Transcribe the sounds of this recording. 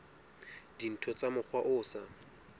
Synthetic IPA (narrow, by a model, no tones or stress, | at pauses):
d̥in̩tʰɔt͡sʼamʊk͡xʰwaʔʊːsa